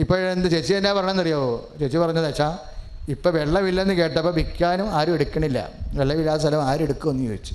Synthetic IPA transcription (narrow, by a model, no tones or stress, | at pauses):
ipːoɭend̪ɨt͡ɕet͡ɕːiɐnːaːpɐrɐɳamenːɐrijaːʋot͡ɕet͡ɕːipɐrɐɲːɐðat͡ɕːaː | ipːoʋe̞ɭːɐʋilːɐenːɨke̞ːʈʈːɐpːɐbikʲːaːnumaːɾume̞ɽukʲːɐɳilːɐ̰ʋeɭːɐʋilːaːst̪ʰɐlɐmaːɾmeɽukːumonːujoɡit͡ɕːu̥ɨ̥